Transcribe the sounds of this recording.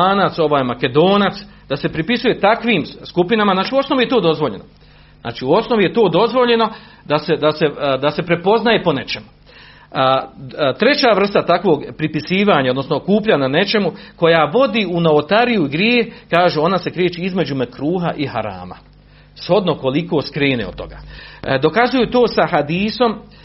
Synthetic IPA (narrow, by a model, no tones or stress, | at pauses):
aːnat̪so̞ʋaːjmake̞d̪o̞ːnat̪sd̪ase̞pɾipisuje̞t̪akʋiːmskupinamaznaːt͡ʃiːuo̞sno̞ʋije̞t̪o̞ːd̪o̞zʋoʎe̞no | na̰ːt͡ʃiuo̞sno̞ʋije̞t̪o̞ːd̪o̞zʋo̞ʎe̞no̞ | d̪ase̞d̪ase̞d̪ase̞pɾe̞po̞znaje̞po̞ne̞t͡ʃe̞mu | t̪ɾe̞t͡ɕaʋr̩st̪at̪akʋo̞ːɡpɾipisiːʋaːɲaod̪no̞snokuːpʎaɲane̞t͡ʃe̞muko̞jaʋo̞d̪iunoot̪aɾijuiɡɾjeːxkaːʒuo̞nase̞kɾeːt͡ʃiizme̞d͡ʑumekɾuːɦaʔiha̰ɾa̰ːma̰ | sho̞d̪no̞ko̞liko̞ːskɾeːnḛo̰̥t̪o̞̰ɡa̰ːd̪o̞kazujut̪o̞ːsahad̪iːso̞m